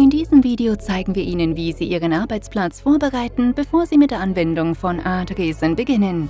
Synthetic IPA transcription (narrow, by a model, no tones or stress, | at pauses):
ʔɪndiːzəmviːdeot͡saɪɡŋ̩viːɐʔiːnənviːziːʔiːʁənʔaɐbaɪt͡spl̥at͡sfoːɐbəʁaɪtn̩b̥əfoːɐziːmɪt̚d̥eːɐʔanvɛndʊŋfɔnʔaɐtʁeːzənbəɡɪnən